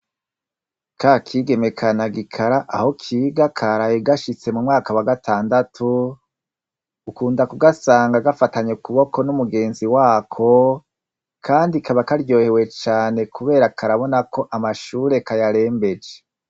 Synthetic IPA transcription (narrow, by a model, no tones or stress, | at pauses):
kakʰiːɡe̞me̞kʰanaɡikʰaɾaʔaho̞kʰiːɡakʰaɾajeɡaʃit͡se̞mumŋaːkawaɡatʰaːndatʰu | kuːndakuɡasaːŋɡaɡafataɲekuβo̞ko̞numuɡe̞ːnziwaːkʰo̞ | kʰaːndikʰaβakaɾjo̞ːhe̞we̞t͡ʃaːne̞kuβe̞ːɾakʰaɾaβo̞nakʰo̞ʔamaʃuːɾe̞kajaɾe̞ːmbe̞d͡ʒe